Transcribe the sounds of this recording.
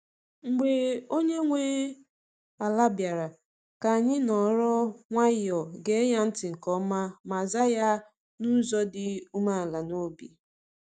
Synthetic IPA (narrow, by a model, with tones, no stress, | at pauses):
ŋ̩˨ɡ͡be˨o˦ɲe˦ŋʷe˦ | a˨la˦bja˨ɾa˨ | ka˨a˨ɲɪ˦nɔ˨˦ɾɔ˦ŋʷa˦jɔ˨ɡe˦ja˦n̩˦tɪ˨ŋ̩˨kɔ˦ma˦ma˨za˦ja˦ | nu˦zɔ˦dɪ˦u˦ma˦a˨la˨no˦bi˨